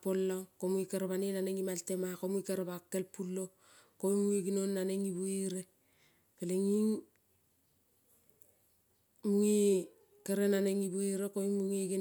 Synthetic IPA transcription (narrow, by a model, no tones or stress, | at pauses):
polːakomuikaɾaβanenaneŋimaltemakomuikeɾaβakːelpulːo | koimuiɡinonːaneŋibuiɾe | peleŋiŋ | muŋi | keɾenaneŋibuiɾekoimuŋiɡin